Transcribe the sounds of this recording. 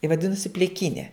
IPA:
ɪ ʋɐˈdʲɪnʊsʲɪ pʲlʲɪˈkʲiːnʲɛ

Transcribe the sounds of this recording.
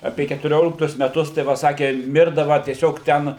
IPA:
ˈɑːpʲeː kʲɛtʊˈrʲoːlʲɪktʊs mʲɛˈtʊs tɐɪ ˈʋɐ ˈsɑːkʲeː ˈmʲɪrdɐʋɐ tʲiɛˈsʲoːk ˈtʲɛn

